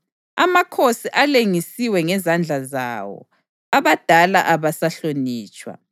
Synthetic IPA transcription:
amakʰosiʔaleŋisiwɛŋɛzand͡ɮʱaza̰wɔ̰ | aβad̥ʱalaʔaβasaɬoniːt͡ʃʼwa̰

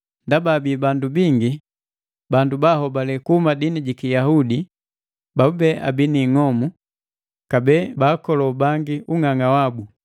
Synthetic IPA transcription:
ndabaːbibandubiŋɡi | bandubaɦɔbalɛkuhumadiniɟikijahudi | baubɛʔa̰biniŋɔmu | kabɛːbaːkɔlɔbaŋɡiuŋaŋawabu

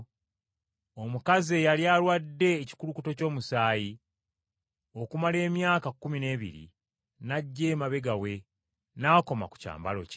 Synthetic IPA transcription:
o̞mukazejaljalwadːe̞ːci̥kulukuto̞co̞ːmusaːji | o̞kumale̞ːmjaːkakːumine̞ːβḭɾḭ | naɟːeːmaβe̞ɡawe̞ | naːko̞ma̰ku̥ca̰ːmba̰lo̞̰c

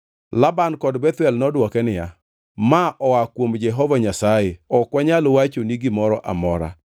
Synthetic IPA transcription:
labankɔdbɛt̪wɛlnɔdwɔkɛnɪja̰ | maʔɔwakwomd͡ʒɛɦɔvaɲasajeɔkwaɲalowat͡ʃoniɡɪmɔɾɔʔa̰mɔɾa̰

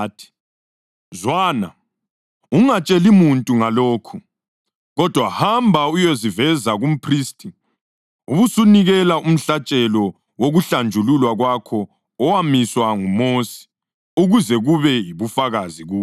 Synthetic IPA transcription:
tʰi̥ | zwana̰ | uŋat͡ʃʼɛlimuntʼuŋaloːkʰu | ɣɔd̥ʱwahambʱaujozivɛzaɣum̩pʰristʼi | uβusuniɣɛlaʔum̩ɬat͡ʃʼɛlɔ | woɣuɬand͡ʒʱululwaɣwakʰɔː | wamiswaŋumosi̥ | uɣuzɛɣuβɛjiβufaɣaziɣuː

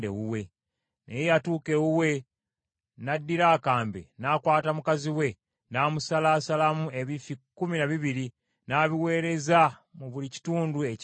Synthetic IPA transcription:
dḛwuwe̞ | nejejatuːke̞wuwe̞ | nadːiɾaːkaːmbe̞̰naːkwaːtamukaziwe̞ | naːmusalaːsalamueβifikuminaβiβiɾi | naːβiwe̞ːɾe̞zamuβulici̥tuːndue̞c

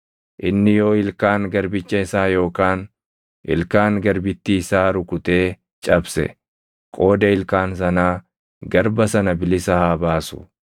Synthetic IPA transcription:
ʔɪnːɪjo̞ːɪlkaːŋɡɐɾbɪt͡ʃːɐɪsaːjo̞ːkaːn | ʔɪ̰lkaːŋɡɐɾbɪt̪ːiːsaːɾʊkʊt̪e̞ː | t͡ʃʼɐbsɛ̰ | kʼo̞ːd̪ɐɪlkaːns̬ɐnaː | ɡɐɾbɐsɐnɐbɪlɪsɐhaːbaːsʊ̥̰

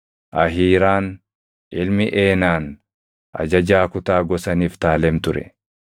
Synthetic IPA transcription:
ʔɐɦiːɾaːn | ʔɪlmɪʔe̞ːnaːn | ʔɐ̰d͡ʒɐd͡ʒaːkʊt̪aːɡɔsɐniːft̪aːlɛmt̪ʊɾɛ̰

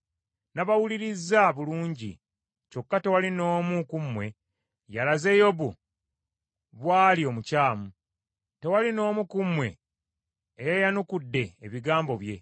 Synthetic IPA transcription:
naβawuliɾizːaβuluːɲɟḭ | t͡ʃo̞kːate̞walino̞ːmukumwe̞ | jalaze̞jo̞βu | βwaːlio̞mucaːmu | te̞walino̞ːmukumwe̞̰ː | jajanukudːe̞ːβiɡaːmbo̞βje̞

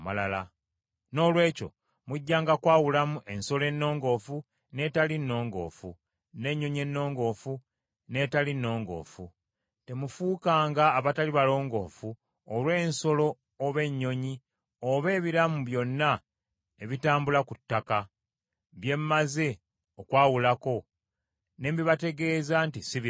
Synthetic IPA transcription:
malala | no̞ːlwe̞ːco̞̰ | muɟːaːŋɡakwaːwulamuʔe̞nso̞le̞nːo̞ːŋɡo̞fu | netalinːo̞ːŋɡo̞̰ːfu | ne̞ɲːo̞ɲe̞nːo̞ːŋɡo̞ːfu | ne̞talinːo̞ːŋɡo̞̰ːfu | te̞mufuːkaːŋɡaːβataliβalo̞ːŋɡo̞̰ːfu | olwe̞ːnso̞lo̞ː | βe̞ɲːo̞ɲi | oβe̞ːβiɾamuβjo̞nːa | eβitaːmbulakutːaka | βje̞mːaze | okwaːwulako̞ | ne̞ːmbiβate̞ɡe̞ːzantisiβi

